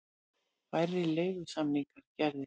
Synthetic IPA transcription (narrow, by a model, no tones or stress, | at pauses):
vajɾɪleːjɣʏsamniŋkaɾ̥cɛɾðɪ